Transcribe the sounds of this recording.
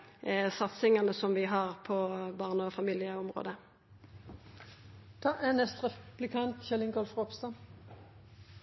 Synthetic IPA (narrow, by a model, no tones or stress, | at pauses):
sɑt̪sɪŋɑnəsɔmʋɪɦɑʁpʰɔbɑʁnəɔfɑmiːlɪəɔmʁo̰ːd̪ə | d̪̥ɑːʔɛnɛst̪ʁɛb̥lɪkʰɑnt̪çɛlɪŋɡolfʁɔpst̪ɑn